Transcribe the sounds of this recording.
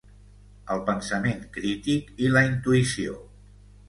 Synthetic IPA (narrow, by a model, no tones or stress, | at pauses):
əlˠpənsəmeŋkɾit̪ikiləint̪uisio